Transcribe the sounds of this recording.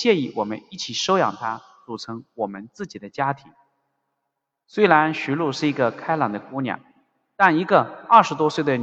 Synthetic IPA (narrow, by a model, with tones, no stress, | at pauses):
ɕjɛ˥˧i˥˩wɔ˨˩mə̰˦ni˥˩t͡ɕʰi˨˩ʂo˥ʊjɑ̰˨˩ŋt̪ʰa˥ | t͡su˨˩ʈ͡ʂʰɤ˧˥ŋwɔ˨˩mə˦nt͡sɹ̩˥˩t͡ɕi˨˩d̪ə˦t͡ɕja˥t̪ʰi˧˥ŋ | swe˥ɪla˧˥nɕy˧˥lu˥˧ʂɻ̩˥˩i˧˥ɡə˧kʰa˥ɪlɑ˨˩ŋd̪ə˦ku˧˥njɑ̰˨˩˦ | t̪a˥˩ni˧˥ɡə˧ɐ˥˩ʂɻ̩˧˥t̪wɔ˥swe˥˩ɪd̪ə˩n